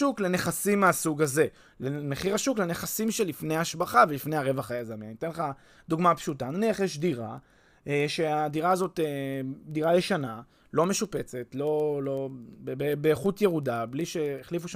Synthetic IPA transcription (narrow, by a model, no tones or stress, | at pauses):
ukle̞ne̞χasimːeasuɡaze̞ | leme̞χiʁaʃuklene̞χasimʃe̞lifnejaːʃbaχavelifnejaʁe̞vaχajazamianit̪enla | d̪uɡmapʃutananiaχjeʃdiʁa̰ | eʃe̞adiʁaːzo̞tediʁajeʃana | lo̞me̞ʃupe̞t͡se̞tlo̞lo̞bebebeːχutjeʁudabliʃeːχlifuʃa